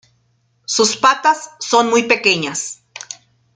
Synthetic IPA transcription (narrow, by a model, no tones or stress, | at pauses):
suspat̪asːonmujpekeɲas